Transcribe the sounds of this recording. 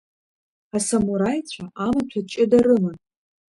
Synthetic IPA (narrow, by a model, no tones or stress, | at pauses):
asamuɾajt͡ɕʷʰaʔamat͡ɕʷʰat͡ʃʼɪdarɨmɨn